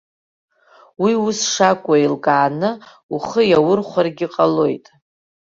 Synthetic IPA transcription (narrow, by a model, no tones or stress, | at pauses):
wiʊsʂakʷʼailkʼaːnɨ | uχəjawʊrχʷarɡʲɪqʼalojtʼ